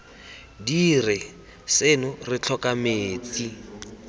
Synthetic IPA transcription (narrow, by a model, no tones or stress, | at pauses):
dirɪ | senʊrɪt͡ɬʰɔkameːt͡si